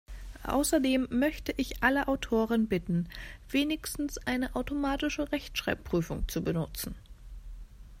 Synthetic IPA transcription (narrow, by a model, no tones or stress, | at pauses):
ʔa̰ʊsɐdeːmːœçtəʔɪçʔaləʔaʊtʰoːʁənbɪtn̩v̥eːnɪçstn̩sʔaɪnəʔaʊtomaːtɪʃəʁɛçtʃʁ̥a̰ɪp̚pʁ̥yːfʊŋt͡subənʊt͡sn̩